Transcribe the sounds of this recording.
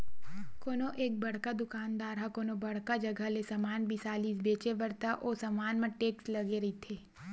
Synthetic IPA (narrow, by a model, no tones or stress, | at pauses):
koːnoʔeːk̚bɐɽ̤kad̪ʊkaːnd̪aːɾɦakoːnobɐɽ̤kad͡ʒɐɡʱəlesɐmaːnbʱisaːliːsbeːt͡ʃebɐɾt̪aʔoːsɐmaːnmɐ̃ʈeːkslɐɡeɾɐit̪ʰeː